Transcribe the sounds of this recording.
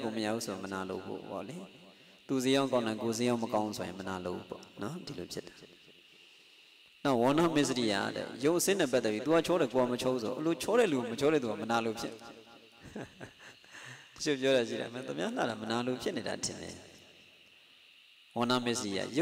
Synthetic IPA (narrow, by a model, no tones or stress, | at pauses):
koməja̰usoɪ̃mənalo̰ʊpʰo̰pɔ̰li | t̪usejãʊ̃ŋkãʊ̃nãkos̬ejãʊ̃məkãʊ̃sʰojɪ̰̃mənaloʔupɔ̰nɔdilopʰjɪtḁ | naʊwɔ̃namɪs̬əɾija̰dɛ̰joʊʔəsɪ̃nɛp̬at̪ːɛpjit̪uat͡ɕʰɔɾɛkoamət͡ɕʰousoɔʔəlot͡ɕʰɔɾɛ̰luamət͡ɕʰɔɾɛt̪̬uamənalopʰjɪ̰ʔ | tə̥o̰pjɔɾaʃḭɾa̰mɛ̰̃t̪umjan̥a̰ɾamənalopʰjɪʔneɾa̰tʰɪ̰̃ndɛ̰ | wɔ̃namɪʔs̬əɾija̰jo